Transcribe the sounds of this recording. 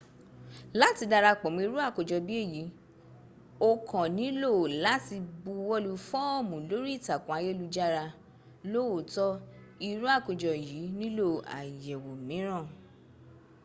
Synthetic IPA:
la˦ti˧da˧ɾa˧k͡pɔ˨mĩ˧i˧ɾu˦a˦˨ko˨d͡ʒɔ˧bi˦e˦˨ji˨˦ | o˧kɔ̃˨nĩ˨˦lo˦˨la˨˦ti˧bu˧wɔ˦lu˧fɔ˦ɔ˦˨mũ˨lo˨˦ɾi˦i˦˨ta˨kũ˨a˧˦je˦lu˧d͡ʒa˦ɾa˧ | lo˦wo˨tɔ˦i˧ɾu˦a˦˨ko˨d͡ʒɔ˧˨ji˨˦nĩ˦lo˦˨a̰˨jɛ˨wo˨mĩ˨˦ɾ̃ã˦˨

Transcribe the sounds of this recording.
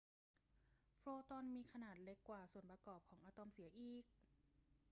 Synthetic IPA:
fʰɾoː˧t̪ɔ˧˥nmiː˧kʰa˧naː˨˩t̪̚le˧˦˥kːwaː˨˩su˨˩ənpa˧kɔː˨˩p̚kʰɔː˩˦ŋʔaː˧t̪ɔ˧msi˩˦ɐʔiː˨˩k̚

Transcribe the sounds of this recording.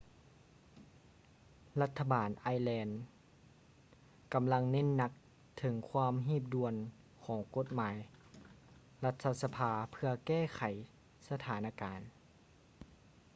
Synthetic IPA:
la˧˥t̪ʰːa˧baː˨˩nʔaː˧jlɛː˧n | ka˨mla˧ŋne˧˥˨nːa˧k̚ | t̪ʰɤ˨˦ŋkʰwaː˧˥mɦiː˧˥˩p̬̚du˧˨ən | kʰɔː˨˩˦ŋko˧˥t̪̚maː˨˦j | la˧t̪ʰːa˧sa˧pʰaː˧pʰɯ˧ɐkɛː˥˩kʰa˨˩˦j | sa˧t̪ʰaː˨˦na˧kaː˨n

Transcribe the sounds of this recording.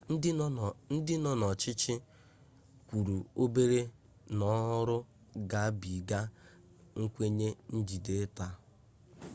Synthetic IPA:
n̩˦dɪ˦nɔ˦nɔ˨t͡ʃɪ˦t͡ʃɪ˦ | kʷu˨ɾu˨o˦be˦ɾe˦ | nɔ˦ɦʊ˦ɾʊ˦ | ɡa˨a˦bi˨ɡa˦ | ŋ̩˦kʷe˦ɲe˦n̩˦d͡ʒi˨de˦ta˦

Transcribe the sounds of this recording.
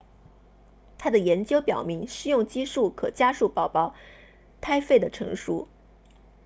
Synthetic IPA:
t̪ʰa˥d̪ə˨jɛ˧˥nt͡ɕjo˥ʊpjɑ˨˩ʊmi˧˥ŋʂɻ̩˥˧jʊ˥˩ŋt͡ɕi˥ʂu˥˩kʰɤ̰˨˩t͡ɕja˥ʂu˥˩pɑ˨˩ʊpɑ˥˩ʊ | t̪ʰa˥ɪfe˥˩ɪd̪ə˩ʈ͡ʂʰɤ˧˥ŋʂṵ˥

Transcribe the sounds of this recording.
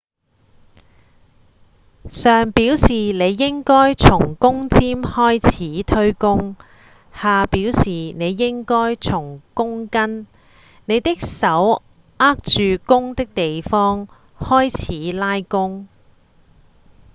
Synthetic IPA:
sœː˨ŋpiː˨˥wsiː˨˩ne˨˧jːɪ˥ŋkɔː˥jt͡sʰʊ˨˩ŋkʊ˥ŋt͡siː˥mhɔː˥jt͡sʰiː˨˥t̪ʰɵ˥ɥkʊ˥ŋ | haː˨piː˨˥wsiː˨˩ne˨˧jːɪ˥ŋkɔː˥jt͡sʰʊ˨˩ŋkʊ˥ŋkɐ˥n | ne˨˧jt̪ɪ˥k̚sɐ˨˥w | aː˥k̚t͡ʃyː˨kʊ˥ŋt̪ɪ˥k̚t̪e˨jfɔː˥ŋ | hɔː˥jt͡sʰiː˨˥laː˥jkʊ˥ŋ

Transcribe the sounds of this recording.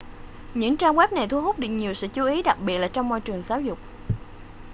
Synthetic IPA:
ɲɨ̰˧˥ŋt͡ɕaː˧ŋwɛ˦˥p̚na˨˩jt̪ʰu˧ɦo˦˥t̚ɗɨ˨˩k̚ɲi˨˩əwsɛ̰˧˥t͡ɕu˨˦ʔi˨˦ɗa˨˩k̚ɓi˨˩ət̚laː˨˩t͡ɕɔ˧wŋ͡mmɔ̰˧jt͡ɕɨ˨˩əŋzaː˨˦wzʊ˨˩k͡p̚

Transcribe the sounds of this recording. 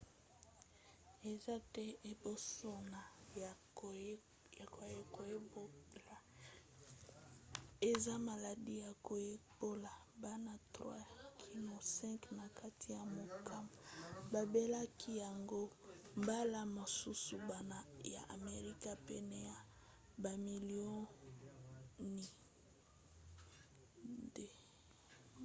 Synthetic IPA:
e˨za˦tɛ˦e˨bo˦so˦na˨ja˨˦˨ | ko˨e˦ko˨je˦bo˦la˨ | e˨za˦ma˨la˨di˦ja˨ko˨je˦bo˦la˨ | ba˦na˦tʁwa̰˦kʰi˨lo˨sɛ̃˦ŋkna˨ka˦ti˦ja˨mo˨ka˦ma˨ba˨be˦la˦kʰi˦ja˨ŋɡo˦ | mba˦la˦mo˨su˦su˨ba˦na˦ja̰˨ʔa̰˨me˨ʁi˦ka˦pɛ˦nɛ˦ja˨ | ba˨mi˨li˦o˦ | ni˨ | de˨

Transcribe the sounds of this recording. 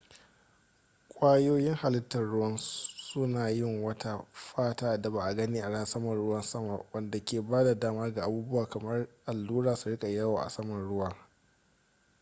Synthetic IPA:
kʷʼaː˦joː˦jɪ˦ŋha˨lɪ˦tːɐ˨nɽʊ˦wɐ˦nsʊ˦naː˨jɪ˦˨ŋwɐ˦ta˦ɸaː˦taː˦˨da˨ba˨ʔa˨ɡɐ˦niː˦ʔa˨ɽɐ˦n˨sɐ˦mɐ˨nɽʊ˦wɐ˦nsɐ˦ma̰˨wɐ˦nda˨kʲeː˨baː˦da˨daː˦maː˦ɡa˨ʔa˨buː˦bʊ˦waː˨kɐ˨mɐ˦rʔa˨lːuː˦ɽaː˨su˨ɽɪ˦kʼa˨ja˦waː˨ʔa̰˨sɐ˦mɐ˨nɽʊ˦wɐ˨

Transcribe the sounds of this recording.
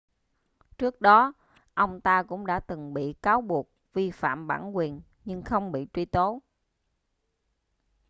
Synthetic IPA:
t͡ɕɨ˦˥ək̚ɗɔ˨˦ | ʔə˧wŋ͡mt̪aː˧kʊ̰˧˥ŋ͡mɗa̰ː˧˥t̪ɨ˨˩ŋɓḭ˧˨kaː˨˦wɓu˨˩ək̚vi˧fa̰ː˧˨mɓa̰ː˧˩nkwi˨˩ən | ɲɨ˧ŋxə˧wŋ͡mɓḭ˧˨t͡ɕwi˧t̪o˨˦

